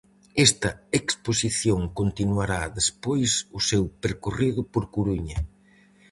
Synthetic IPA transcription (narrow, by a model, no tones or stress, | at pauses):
ɛst̪ɐeksposiθjoŋkont̪inuaɾaðespojsʊsewpeɾkoriðʊpoɾkuɾuɲɐ